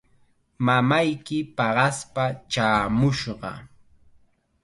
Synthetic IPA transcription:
mamajkɪpɑɢɑspat͡ʃaːmʊʃɢɑ̰

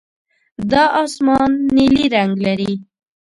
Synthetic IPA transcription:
d̪ɑʔːsmɑnːiliɾaŋɡlaɾi

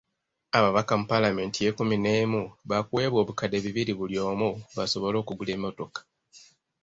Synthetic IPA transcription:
aβaβakamupalame̞ːntije̞kumine̞ːmuβakue̞ːβwo̞ːβukade̞βiβiɾiβuljo̞ːmuβaso̞βo̞lo̞ːkuɡule̞ːmio̞to̞kḁ

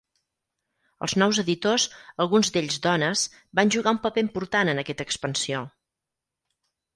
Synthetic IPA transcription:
ə̰lˠznɔwzəðit̪ozəlˠɣunzd̪eʎzd̪ɔnəz̥ | banʲʒuɣaumpəpeimpuɾt̪anənəkɛt̪əkspənsio

